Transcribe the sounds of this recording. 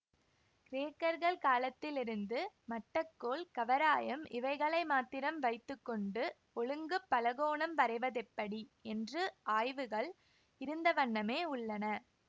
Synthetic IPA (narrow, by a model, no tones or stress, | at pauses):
kɪɾeːkːɐɾɣɐɭkaːlɐt̪ːɪlɪɾɯnd̪ɯmɐʈːɐkːoːlkɐʋɐɾaːjɐmɪʋɐɪɣɐɭɐɪmaːt̪ːɪɾɐmʋɐɪt̪ːɯkːɔɳɖɯ | ɔɭɯŋɡɯpːɐlɐɣoːɳɐmʋɐɾɐɪʋɐðɛpːɐɽiɛndrɯaːjʋɯɣɐɭ | ɪɾɯnd̪ɐʋɐɳːɐmeːʊɭːɐnɐ